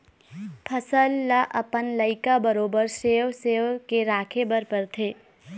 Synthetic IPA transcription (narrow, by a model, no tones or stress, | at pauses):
pʰəsəlːaʔəpənləɪkabəɾoːbəɾseːwseːʋkeɾaːkʰebəɾpəɾt̪ʰeː